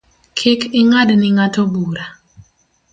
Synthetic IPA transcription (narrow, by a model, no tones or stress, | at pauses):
kʰɪkɪŋadnɪŋatobuɾa